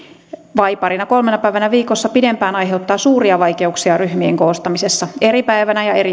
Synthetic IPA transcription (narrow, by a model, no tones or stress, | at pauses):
ʋɑipɑɾinɑko̞lmenɑpæiʋænæʋiːkosːɑpidempæːnɑjɦe̞ut̪ːɑːsuːɾiɑʋɑjke̞uksiɑryhmiḛŋkoːst̪ɑmisesːɑe̞ɾipæiʋænæjɑeɾi